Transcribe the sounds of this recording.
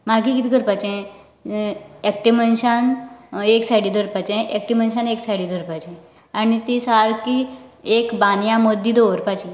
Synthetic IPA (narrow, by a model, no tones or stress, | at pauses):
maɡikit̪ikəɾpat͡ɕɛ̃ | ɛkʈiʋmənɕaneksaɽiːd̪ʱəɾpat͡ɕɛ̃ʔɛk̚ʈiʋmənɕaneksaɽiːd̪ʱəɾpat͡ɕẽ | añit̪isaɾkiekbanjãmod̪ʱiːd̪oʋəɾpat͡ɕi